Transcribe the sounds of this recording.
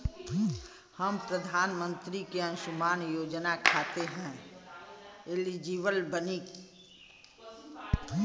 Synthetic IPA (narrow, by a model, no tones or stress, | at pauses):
həmpɾəd̪ʱaːnmə̃nt̪ɾikeə̃nʃʊmaːnjoːd͡ʒnakʰaːt̪eɦɛ̃ | eːlid͡ʒiːʋəlbənik